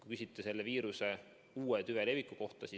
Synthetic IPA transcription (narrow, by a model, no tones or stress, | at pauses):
kukysit̪ːˑese̞lːe̞viːɾuse̞ | uːet̪yve̞le̞vˑikːˑuko̞ht̪ɑsi